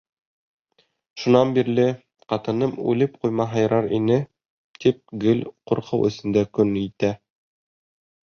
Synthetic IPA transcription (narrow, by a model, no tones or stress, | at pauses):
ʃunɑnbiɾlɘ | qɑt̪ɤ̆nɤmʉ̰lɘp̚qujmɑɦɑj̆ɾɑɾinɘ | t̪ip̚ɡɘlquɾqʰɤwʔɵ̆sɘ̆nd̪ækɵnit̪æ